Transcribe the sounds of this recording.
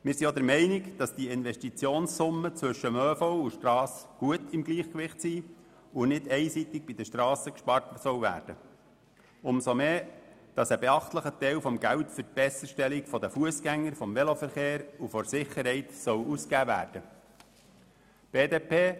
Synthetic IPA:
mɪːɾsiɔd̪əɾmɛɪnɪkd̥ɑsd̥iɪnvɛʃtit͡sjoːnssʊmːət͡sʋɵʃəmøːfɔʊuʃtrɑːsɡ̥uətɪmɡliːχkʋɪχtsiː | unɪdɛɪsit̪ɪɡ̚bid̪əʃtɾɑːsəkʃpɑrtsœwʋæ̰ːɾd̥ə | ʊmsomeːd̥ɑsəbeɑχt̪ləχət̪ɛɪlfɔmɡæwtfəɾt̚b̥ɛsəʃtɛlikfɔdəfuəsɡæŋːəɾfɔmʋɛlofəɾχeːɾufɔɾsɪχəɾɦhɛɪt̪sœwuskæːvæ̰ːɾd̥ə | b̥eːdeːpʰeː

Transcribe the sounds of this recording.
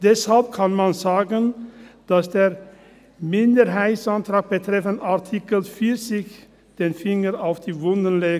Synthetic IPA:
d̥ɛshalp̚kʰanmanzaːɡənd̥asd̥eːʁ | mɪndəʁɦaɪtsantʁ̥aːk̚b̥ətʁ̥ɛfənaʁtʰikəl̩fiɐt͡sɪç | d̥eːnfɪŋəaʊfd̥iːvʊndənleː

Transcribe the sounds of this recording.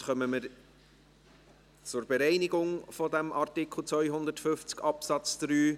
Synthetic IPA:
χœməməɾ | t͡sʊɾbɛɾɛɪnɪɡʊŋfɔdæmʔɑrtɪkχl̩ˠt͡svœʏɦʊnd̪əɾtfʏft͡skɑpsɑt͡sd̪̥ɾyː

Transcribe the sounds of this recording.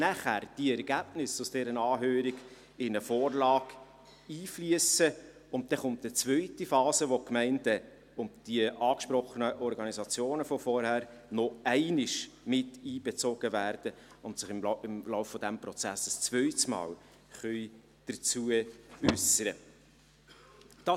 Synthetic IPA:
næχærd̥iɛɾɡæb̥nɪsʊsd̥ɛːɾənɑːɦøːɾiɡ | ɪnəfɔːrlɑːɡ | iːfliəsə | ʊnt̚d̥ɛχʊntət͡svœʏtifɑːzəʋokmɛɪndə | ʊnd̥iəʔɑːkʃpɾɔχənəʔɔɾɡɑnizɑt͡sjoːnəfɔfɔɾhæɾ | nɔæɪnɪʃ | mɪtiːb̥ɛt͡soɡ̥əvæːɾd̥ə | ʊntsɪχɪmɪmlɔʊfːɔd̥æmprɔt͡sæsəst͡svœʏtəsmɑ̰ːl | χœʏ | d̥əɾt͡suəʏsəɾə | d̥ɑ

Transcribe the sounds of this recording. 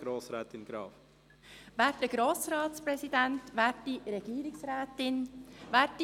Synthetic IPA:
ɡ̥ɾoːsɾɛːt̪ɪnɡ̥ɾɑ̰ːf | væːɾt̚dəɡ̥ɾoːsɾɑːspɾɛsidɛntʋæːt̚d̥iɾɛɡ̥iːɾɪksɾɛːtɪnvæːti

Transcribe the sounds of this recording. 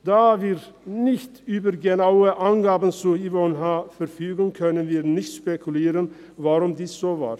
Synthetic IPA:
d̪̥aːviːɾnɪçt̪yːbəɾɡənaʊəʔanɡaːbən̩t͡suːivɔnɦafɛɾfyːɡn̩kʰœnənviːɾnɪçt̪ʃpɛkʰʊleːɾən | vaɾʊmd̪iːsz̥oːva̰ːɾ

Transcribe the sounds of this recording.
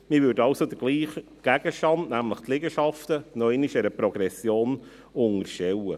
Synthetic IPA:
mɪʋʏɾdəɑʊsod̥̪əɡ̥liːχ | ɡ̥æɡ̥əʃtɑndnæmləχt̪lɪɡəʃɑft̪ənɔɛɪniʃɛɾəpɾɔɡ̥ɾɛsjoːn | ʊŋəʃɛwə

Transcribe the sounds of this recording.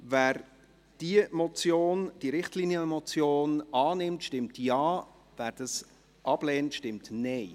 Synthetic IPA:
væːɾ | d̥iəmɔt͡sjoːnd̥iɾɪχtliːnjəmɔt͡sjoːnɑːnɪmtʃtɪmtjɑː | væːɾd̥ɑs | ʔɑb̥lɛːntʃtɪmtneɪ

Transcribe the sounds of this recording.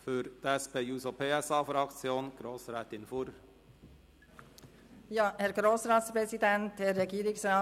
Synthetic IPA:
føɾd̪̥ɛspeːjʉːsopʰeːɛsɑːfɾɑkt͡sjoːnɡ̥ɾoːsɾɛːt̪ɪnfʊɾ | jɑːhɛɾɡɾoːsɾɑːt̪spɾɛsid̪ɛnt̪hɛɾːɛɡiːɾɪksɾɑː

